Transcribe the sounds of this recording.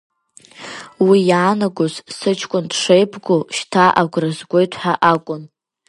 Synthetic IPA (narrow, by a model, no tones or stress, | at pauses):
wijaːnaɡʷozsɨt͡ʃʰkʷʼʊndʂejpʰɡoʃtʰaʔaɡʷrɨzɡʷo̞jtʰħaʔakʷʼʊn